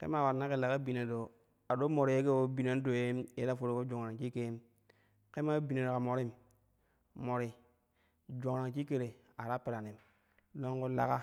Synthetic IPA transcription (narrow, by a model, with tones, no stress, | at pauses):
kḛ˦ma˦˨wa˨ɾna˦ke˨la˨ka˦bi˨na˨do˨ | a˨ɗo˦mo˨ɾi˨je˦ke˦wo˦bi˨na˨˦n˦do˨je˦mje˦a˦fo˨ɾo˦ko˦d͡ʒo˨ŋɾa˨ŋt͡ʃi˦ke˦m | ke˦ma˦bi˨na˨ɾo˨ka˨mo˨ɾi˦m | mːo˨ɾi˨ | d͡ʒo˨ŋɾa˨ŋt͡ʃi˦ke˦˨ɾe˨ | a˨ɾa˦pe˨ɾa˨ni˨m | lo˦ŋɡo˦la̰˦ka˦